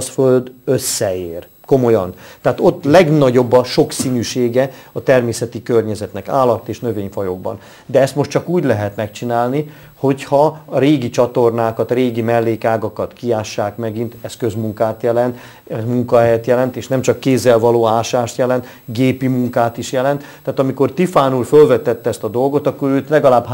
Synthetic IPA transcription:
sføld̪øsːɛeːr | ko̞mo̞jɒnt̪ɛaːt̪o̞t̪ːlɛɡnɒɟo̞bːɒʃo̞ksinyːʃeːɡɛɒt̪ɛrmeːsɛt̪ikørɲɛzɛt̪nɛkaːlːɒt̪ːeːʃnø̞veːɲfɒjo̞ɡ̚bɒ̰n | d̪ɛɛst̪mo̞ʃtt͡ʃɒkuːɟlɛɦɛt̪mɛkt͡ʃinaːlni | ho̞chɒɾeːɡit͡ʃɒt̪o̞rnaːkɒt̪reːɡimɛlːeːkaːɡɒkɒt̪kiaːʃːaːkmɛɡint̪ɛskø̞zmuŋkaːt̪jɛlɛnt̪ | ɛzmuŋkɒɦɛjɛt̪jɛlɛnt̪eːʃnɛmt͡ʃɒkːeːzːɛlvɒloːaːʃaːʃt̪jɛlɛnt̪ | ɡeːpimuŋkaːt̪iʃjɛlɛnt̪ːaːt̪ɒmiko̞rt̪ifaːnulfølvɛt̪ɛt̪ːɛɛst̪ɒd̪o̞lɡo̞t̪ɒkːoɾøːt̪lɛɡɒlaːbɦ

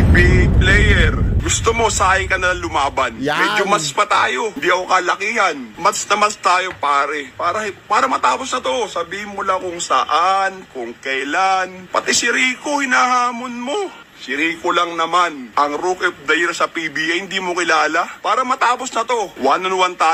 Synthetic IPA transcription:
biplɛjɛɾɡʊst̪omo̞saːhɪŋkɐnɐlaŋlʊmaːbɐnmɛːd͡ʒomɐspɐt̪aːjo̞ɪnd̪iːʔɐkokɐlɐkiːhɐnmɐsnɐmɐst̪aːjopaːɾɛpaːɾɐhpaːɾɐmɐt̪aːpo̞snɐt̪o̞sɐbiːhɪnmolakʊŋsɐ̰ʔankʊŋkɛjlanpɐt̪ɪsɪɾiːko̞hɪnaɦaːmonmo | sɪɾiːkolɐŋnɐmanʔɐŋɾokɛp̚d̪ɐjɛɾsɐpibiːʔɐhɪnd̪iːmokɪlaːlɐpaːɾɐmɐt̪aːpo̞snɐt̪o̞waːnɐnʊwɐnt̪aː

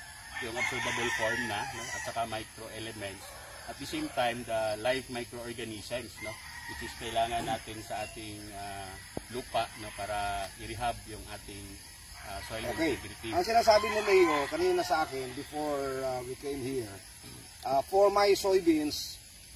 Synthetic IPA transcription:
jʊŋɐb̥sɛɹbɐbɛlfoɹmnɐno̞ʔɐ̰t̪̚t͡ʃɐkamajkɾoʔɛlɛmɛnt̪s | ʔɐt̪̚d̪ɐsẽjmt̪ajmd̪ɐlajfmajkɾoʔoɹɡɐnisɛnsno̞ | wɪt͡ʃɪskɐɪlaːŋɐnːaːt̪ɪnsɐʔaːt̪ɪŋa | lupaʔnopaːɾɐʔɪɾɪɦab̚jʊŋʔaːt̪ɪŋ | ʔasojlokbɾɪt̪iɐŋsɪnaːsaːbɪnɐmɛjokɐɾiːnonɐsɐʔaːkɪnbɪfoɹawikẽjmhiɹ | ʔafoɹmajsojbins

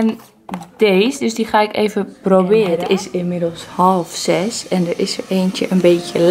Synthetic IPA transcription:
ɛn | d̥eːsdøsdiχaɪkḛːvəprobɪːərətɪsɪmɪdəlˠshɔlˠfsɛsɛndərɪsəeːntjəʔənbeːtjəl

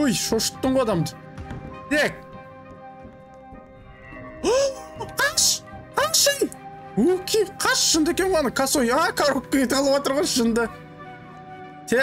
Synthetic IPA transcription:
ujʃoʃə̥t̪ːəɴʁod̪ɑmd̪ə | nek̚ | oqʰɑʃqʰɑɴʃəj̪wokʲʰejqʰɑʃʃənd̪əekʲeɴoɑnəkʰasojakʰaɾokkːijet̪ʰɑlˠəwɑt̪əɾʁɑʃənd̪ə | t̪ʰe

